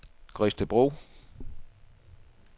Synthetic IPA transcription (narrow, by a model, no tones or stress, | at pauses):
ɡ̥ʁisd̥əb̥ʁo̰ː